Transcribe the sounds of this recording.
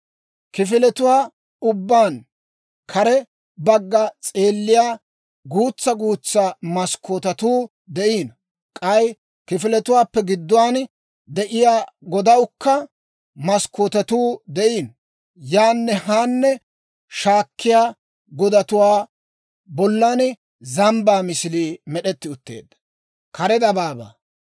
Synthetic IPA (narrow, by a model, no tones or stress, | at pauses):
kɪfɪlɛt̪ʊwaː | ʊbːaːn | kʰɐɾɛ | bɐɡːɐt͡sʼe̞ːlːɪjaː | ɡuːt͡sːɐɡuːt͡sːamɐskʰːoːt̪ɐt̪uː | d̪ɛʔiːn | kʼɐj | kɪfɪlɛt̪ʊwaːpːɛɡɪd̪ːɔwaːn | d̪ɛʔɪjaːɡɔd̪ɐwʊkːɐ | mɐskʰːot̪ɐt̪uːd̪ɛʔiːn | jaːnːɛɦaːnːɛ | ʃaːkːɪjaː | ɡɔd̪ɐt̪ʊwaː | bɔlːɐn | zɐmbaːmɪsliːmɛɗɛt̪ːɪʊt̪ːe̞̰ːd̪ːɐ̥ | kʰɐɾɛd̪ɐbaːba̰ː